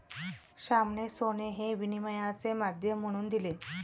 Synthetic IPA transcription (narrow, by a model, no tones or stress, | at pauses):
ɕamɳesoneɦeʋiniməjat͡semad̪ʱjəm̤ːəɽ̃uːnd̪ile